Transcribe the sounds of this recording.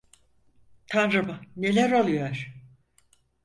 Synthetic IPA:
t̪ʰanɾɯmane̞lʲæɾolˠujoɾ̥

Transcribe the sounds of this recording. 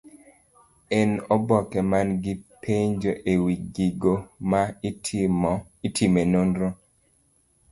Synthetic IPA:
ɛnɔbɔkɛmanɡɪpʰeɲd͡ʒoʔewiɡiɡoma | itimenonɾo

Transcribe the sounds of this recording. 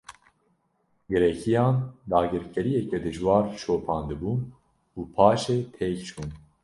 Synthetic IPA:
ɡɨɾɛkʰijɑːnd̪ɑːɡɨɾkʰɛɾijɛkɛd̪ɨʒwɑːɾʃoːpʰɑːnd̪ɨbuːn | uːpʰɑːʃeːt̪ʰeːkt͡ʃʰuːn

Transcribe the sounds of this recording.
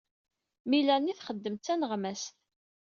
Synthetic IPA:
milænːiθχəd̪ːəmt͡s̪ːænəʁmæsθ

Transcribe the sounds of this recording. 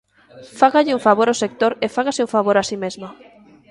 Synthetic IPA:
faɣaʎɪuɱfaβoɾosek̚t̪oɾefaɣaseuɱfaβoɾasimezma

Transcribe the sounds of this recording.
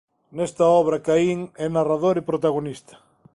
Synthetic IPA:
nest̪aɔβ̞ɾakaiŋɛnaraðoɾipɾot̪aɣonist̪ɐ̥

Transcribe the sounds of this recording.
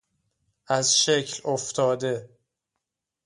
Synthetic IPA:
ʔæzʃecʰloft̪ʰɒːd̪e̞

